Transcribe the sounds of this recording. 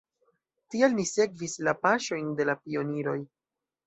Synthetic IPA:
tialnise̞kvislapaʃo̞jnde̞lapio̞niɾo̞j

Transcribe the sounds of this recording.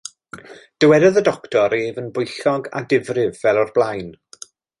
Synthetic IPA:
d̥əwɛdəðədɔktʰɔɾeːvənbʊjɬɔɡa̰dɪvrɪvːɛlˠɔrblˠajn

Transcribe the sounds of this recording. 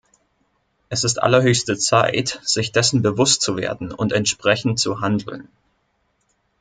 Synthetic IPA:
ʔɛsɪstʔa̰lɐɦøːçstət͡saɪtz̥ɪçd̥ɛsn̩bəvʊst̚t͡suvḛːɐdn̩ʊntɛntʃpʁ̥ɛçn̩tt͡suɦandl̩n

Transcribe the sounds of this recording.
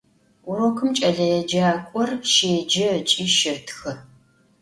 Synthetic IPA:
ʊɾokʰɨmt͡ʃʼɐɮɐjɛd͡ʒaːkʷʼɔrʃeːd͡ʒɐt͡ʃʼiːʃɪtʰxɨ

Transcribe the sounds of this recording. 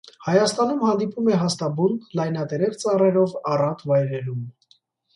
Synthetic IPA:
hɑjɑst̪ɑnumhɑnd̪ipumɛɦɑst̪ɑbunklɑjnɑt̪ɛɾɛɾt͡sɑrɛɾɔvɑrɑt̪ʰvɑjɾɛɾum

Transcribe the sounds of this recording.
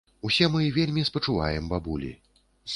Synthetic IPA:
usʲɛmɨvʲelʲmʲispɐt͡ʂuva̰jɛmbabulʲḭ

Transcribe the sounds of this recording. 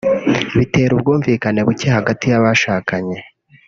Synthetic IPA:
iβite̞ːɾubɡuːɱviːkane̞βucehaɡatijaβaʃaːkaɲe̞

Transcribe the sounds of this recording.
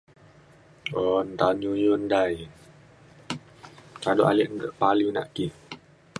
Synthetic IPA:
ɔnt̪aɲujondaj | kadoʔaliʔŋɡəʔpalina̰ʔki

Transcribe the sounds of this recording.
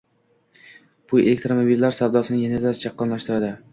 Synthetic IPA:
b̥ʰʊjelek̚t̪ɾomobilːaɾsawd̪ɒsɪnɪŋjenezasɪ̥t͡ʃʰɑqːɒnlaʃt̪ɪɾad̪ɪ

